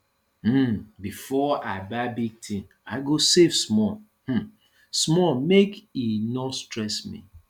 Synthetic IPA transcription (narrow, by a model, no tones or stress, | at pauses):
m̩bifɔaɪbaɪbiɡ̚tʰĩn | aɪɡosevsmɔ | hm̩ | smɔmekinɔstɹɛsmḭ